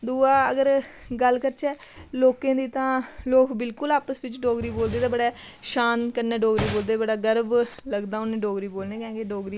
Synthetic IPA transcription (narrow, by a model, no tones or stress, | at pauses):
d̪uːaːəɡəɾɡəlkəɾt͡ʃɛː | loːkẽːd̪iːt̪ãːloːkbɪlkʊlaːpəsʋɪt͡ʃɖoːɡɾiːboːld̪eːt̪ãːbəɽaː | ʃaːnkəɾnaːɖoːɡɾiːboːld̪eːbəɽaːɡəɾbləɡd̪aːʊnẽːɖoːɡɾiːboːlneːkɛ̃ːkeɖoːɡɾiː